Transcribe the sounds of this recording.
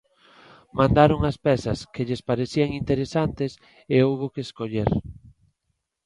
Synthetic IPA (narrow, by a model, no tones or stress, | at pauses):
mãnd̪aɾoŋɐspɛsɐskeʎɪspaɾeθiaŋint̪eɾesant̪ɪs | eowɣokeːskoʎeɾ